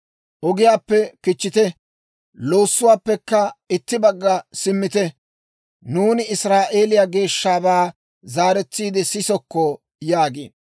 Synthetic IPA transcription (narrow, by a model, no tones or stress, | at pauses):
ʔɔɡɪjaːpːɛkɪt͡ʃːɪt̪ɛ | lo̞ːsːʊwaːpːɛkːɐɪt̪ːɪbɐɡːɐsɪmːɪt̪ɛ | nuːnɪɪsɾaːʔe̞ːlɪjaɡe̞ːʃːaːbaː | zaːɾɛt͡sːiːd̪ɪsɪsɔkːɔ | jaːɡḛːn